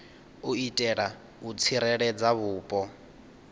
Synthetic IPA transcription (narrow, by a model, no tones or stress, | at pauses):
uitʼɛɺa | ut͡sʰiɾɛɺɛd͡zaβuːpʼɔ